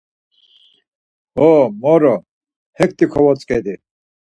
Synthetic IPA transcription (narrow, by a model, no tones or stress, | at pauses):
ɔmɔɾɔ | hɛk̚t̪ʼikʰɔwɔt͡sʼkʼɛd̪i